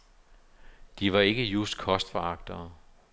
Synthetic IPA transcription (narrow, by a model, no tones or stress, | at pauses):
d̥iʋɑ̈e̝ɡ̥əjusd̥kʰɒ̽sd̥fɒɑ̈ɡ̥̚d̥ɐ